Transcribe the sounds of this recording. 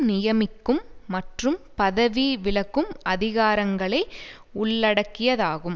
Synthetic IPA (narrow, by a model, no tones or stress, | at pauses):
nɪjɐmɪkːɯmːɐʈrɯmpɐðɐʋiʋɪɭɐkːɯmʔɐðɪɣaːɾɐŋɡɐɭɐɪ | ʊɭːɐɽɐkːɪjɐðaːɣɯm